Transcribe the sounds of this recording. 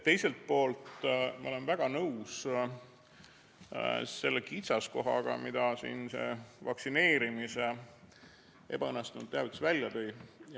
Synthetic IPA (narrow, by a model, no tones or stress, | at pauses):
t̪e̞jse̞lt̪̚po̞ːlt̪mɑ̰ole̞nvæɡ̥ɑnɤws | se̞lːekit̪sɑsko̞ɦɑ̰ɡ̥ɑ̰mid̪̥ɑsḭːnse̞̰vɑksine̞ːɾimise | e̞̰b̥ɑɤnːˑest̪unṵd̪t̪ːeɑvit̪svælʲːjɑt̪ɤj